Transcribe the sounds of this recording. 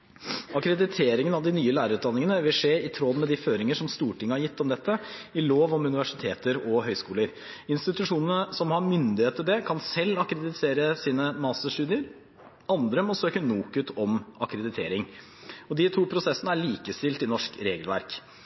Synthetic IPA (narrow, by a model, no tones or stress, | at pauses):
ɑkɾɛd̪ɪt̪ʰeːɾɪŋənɑʋd̪ɪnyːəlæːɾəɾʉːt̪d̪ɑnːɪŋənəʋɪlʂeːɪt̪ʰɾɔd̪mɛd̪ɪføːɾɪŋəʂɔmst̪uːʈɪŋːəhɑɾjɪt̪ːɔmd̪ɛt̪ːəɪloːʋɔmʉnɪʋæʂɪt̪ʰeːt̪əɾɔɦœʏskuːləɾ | ɪnst̪ɪt̪ʉʂuːnənəsɔmhɑɾmʏnd̪ɪheːt̪əd̪ekʰɑnsɛlːɑkɾɛd̪ɪt̪ʰeːɾəsiːnəmɑsəʂʈʉːd̪ɪəɾ | ɑnd̪ɾəmɔsøːkənuːkʉt̪ɔmʔɑkɾɛd̪ɪt̪ʰḛːɾɪŋ | ɔd̪ɪt̪ʰuːpʰɾʊsɛsənəæɭiːkəst̪ɪlt̪ɪnɔʂkɾeːɡəlʋæ̰ɾk